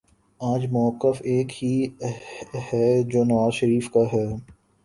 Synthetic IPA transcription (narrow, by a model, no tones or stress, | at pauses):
aːd͡ʒmʊəkːəfeːkhi | hɛːd͡ʒoːnɐʋaːzʃəɾiːfkaɦɛː